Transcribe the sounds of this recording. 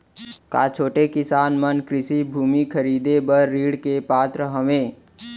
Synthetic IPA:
ka̰ːt͡ʃʰoːʈekɪsaːnmənkɾɪsibʱuːmikʰəɾiːd̪ebəːiːɽkepaːt̪ɾəɦəʋẽː

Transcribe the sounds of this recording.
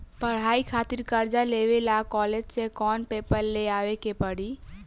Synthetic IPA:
pəɽ̤ɦaːikʰaːt̪iɾkəɾd͡ʒaleːʋelakɔled͡ʒsekɔːnpeːpəɾleaːʋekepəɽi

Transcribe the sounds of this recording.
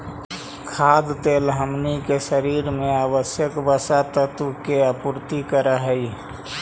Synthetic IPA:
kʰaːd̪t̪eːlɦəmnikeʃəɾiːɾmẽaːbəsjəkbəsat̪ət̪ukeapʊɾt̪ikəɾaɦəi

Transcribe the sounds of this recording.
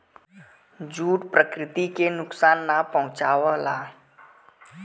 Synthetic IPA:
d͡ʒuːʈpɾəkɾɪt̪ikenʊksaːnːapəɦʊ̃t͡ʃaːwəla

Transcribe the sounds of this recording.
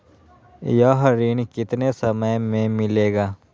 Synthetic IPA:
jaːɦɾiːnkɪt̪nesɐməjmẽmɪleːɡaː

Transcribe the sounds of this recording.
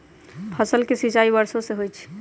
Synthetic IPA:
pʰəsəlkesit͡ʃaibəɾsõseɦojt͡ʃʰ

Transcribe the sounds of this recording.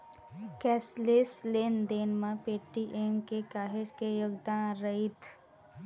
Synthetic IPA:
kɛːslesleːnd̪eːnmãpeːʈːiʔemkekaːɦed͡ʒkejoɡd̪aːnɾəɦɪt̪ʰ

